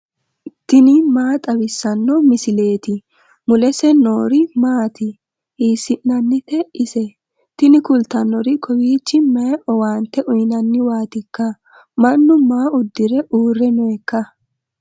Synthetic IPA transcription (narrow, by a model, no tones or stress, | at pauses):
t̪ɪnɪmaːt̪ʼɐbɪsːɐnːɔmɪsɪle̞ːt̪ɪ | mʊlɛsɛnoːɾɪmaːt̪ɪ | iːsːɪnnɐnːɪt̪ɛɪsɛ | t̪ɪnɪkʊlt̪ːɐnːɔɾɪkʰɔwiːt͡ʃːɪmɐjʔɔwaːnt̪ːɛʔʊjnɐnːɪwaːt̪ɪkːɐ | mɐnːʊmaːʊd̪ːɪɾɛʔuːrːɛnɔɛkːɐ